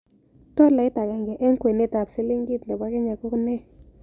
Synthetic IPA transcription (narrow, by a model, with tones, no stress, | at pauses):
t̪o˦la˨˦jt̪a˨ɡa˨ŋɡe˨ʔe˦ŋ˦kʷe˨ne˦t̪a˨psi˦li˦ŋɡi˦t̪nd̪e˨ba˦ke˦ɲa˨ku˦kne˦